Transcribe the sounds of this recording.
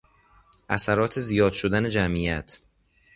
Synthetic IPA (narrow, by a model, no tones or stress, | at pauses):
ʔæsæɾɒːt̪ʰe̞zijɒːd̪̥ʃod̪æne̞d͡ʒæmʔijæt̪ʰ